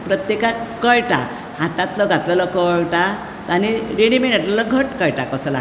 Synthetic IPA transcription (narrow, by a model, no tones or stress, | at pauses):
pɾət̪jekakəɭʈa̰ | hat̪at̪lɔɡat̪lɔlɔkɔɭʈa | t̪aniɾeɽimenat̪lɔlɔɡʱəʈkəjʈakɔsɔla̰